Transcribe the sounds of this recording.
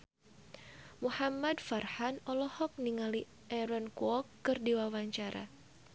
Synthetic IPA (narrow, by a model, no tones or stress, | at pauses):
muhamadfarhanɔlɔhɔk̚niŋali | ʔɛɾɔnkuɔkːɨrdiwawaɲt͡ʃaɾa̰